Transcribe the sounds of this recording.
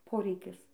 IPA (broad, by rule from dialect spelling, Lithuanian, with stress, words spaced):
ˈpoːrʲɛɪkʲɪs